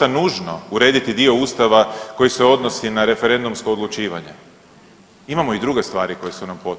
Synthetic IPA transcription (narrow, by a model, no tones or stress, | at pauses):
anuʒno̞uɾe̞d̪it̪id̪io̞ust̪aʋako̞jise̞o̞d̪no̞sinaɾe̞feɾe̞nd̪umsko̞ːd̪lˠut͡ʃiːʋa̰ɲe̞̰ | imamo̞id̪ɾuɡe̞st̪ʋa̰ːɾiko̞jesunampo̞t̪